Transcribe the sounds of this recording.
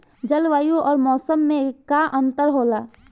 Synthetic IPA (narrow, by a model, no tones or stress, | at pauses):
d͡ʒəlʋaːjõʔɔːɾmɔːsəmːẽkaʔə̃nt̪əɾɦoːlaː